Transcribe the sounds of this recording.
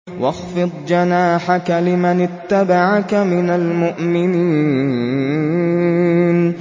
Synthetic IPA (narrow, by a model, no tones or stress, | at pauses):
wɑxfɨd̪ˤd͡ʒanaːħakalɪmanɪt̪ːabaʕakamɪnalmʊʔmɪniː | n